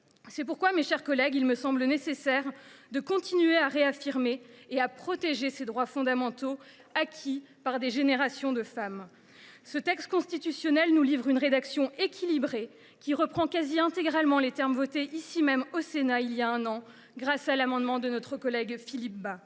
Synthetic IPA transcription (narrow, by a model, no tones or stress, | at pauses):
sɛpuʁkwameʃɛʁkɔlɛɡilməsɑ̃blənesesɛʁd̪əkɔ̃t̪inɥeaʁeafiʁmeːapχɔt̪eʒesed̪ʁwafɔ̃d̪amɑ̃t̪o | akʲʰi | paʁd̪eʒeneʁasjɔ̃d̪əfam | sət̪ɛkst̪kɔ̃st̪it̪ysjɔnɛlnulivʁynʁed̪aksjɔ̃ekʲʰilibʁe | kʲiʁəpχɑ̃kaziɛ̃t̪eɡʁalmɑ̃let̪ɛʁmvɔt̪eʔisimɛmosenailjaɛ̃nɑ̃ | ɡʁasalamɑ̃d̪mɑ̃d̪ənɔt̪χəkɔlɛɡfilip̚ba